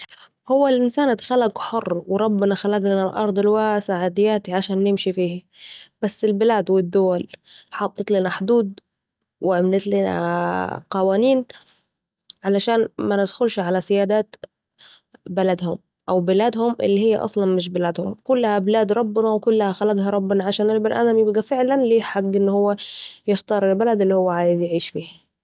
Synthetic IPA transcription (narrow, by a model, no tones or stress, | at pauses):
hʊwːalʔɪnsaːnʔad̪xalːaɡħʊrːwɾˤɑbːɪnɑxalaɡlɪnalʔɑ̰ɾˤd̪ˤɪlwasaʕaːd̪ɪjːaːt̪iʕaʃaːnːɪmʃifiːhi | b̥asːɪlbɪlaːd̪wɪd̪ːʊwalħɑt̪ˤːɨt̪lɪnaħʊd̪uːd̪ | wɪʔamnɪt̪lɪna̰qɑwaːniːn | ʕalaʃaːnmanɪd̪xʊlʃʕalasɪjaːd̪aːt̪ | balad̪hʊm | ʔawbɪlaːd̪hʊmʔɪ̰lːihɪjːaʔɑ̰sˤlɑnmɪʃ̬bɪlaːd̪hʊmkʊlːhabɪlaːd̪ɾˤɑbːɪnɑwɪkʊlːahaxalaɡ̪hɑɾˤɑbːɪnɑʕaʃaːnʔɪlbɪlʔanamjɪbɡafɪʕlanliːħaɡːʔɪnːhʊwːajɪxt̪ɑːɾˤɪlbalad̪ɪlːihʊwːaʕaːjɪzjɪʕiːʃfiːh